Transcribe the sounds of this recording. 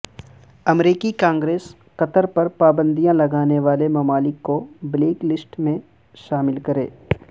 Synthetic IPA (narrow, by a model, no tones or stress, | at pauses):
ɐmɾiːkikãːŋɡɾeːs | kɐt̪əɾpɐɾpaːbə̃nd̪ijãlɐɡaːneʋaːlemɐmaːlɪkːobleːklɪsʈmẽ | ʃaːmɪlkɐɾḛː